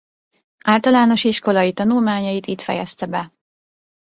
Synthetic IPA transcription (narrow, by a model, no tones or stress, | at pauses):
aːlt̪ɒlaːno̞ʃiʃko̞lɒjit̪ɒnulmaːɲɒjit̪iːt̪fɛ̰jɛ̰st̪ɛbɛ